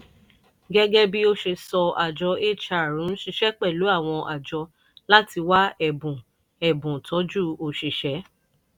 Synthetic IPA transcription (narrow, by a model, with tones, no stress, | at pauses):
ɡɛ˦ɡɛ˦bi˦o˧ʃe˧sɔ˧a˨d͡ʒɔ˧e˦˨t͡ʃa˧˨ɾũ˨˦ʃi˧˦ʃɛ˦k͡pɛ˦˨lu˨˦a˦˨w̃ɔ̃˧ʔa̰˨d͡ʒɔ˧ | la˦ti˧wa˦ɛ˨bũ˨ | ɛ˨bũ˨tʰɔ˨˦d͡ʒu˦o˧ʃi˨ʃɛ˨˦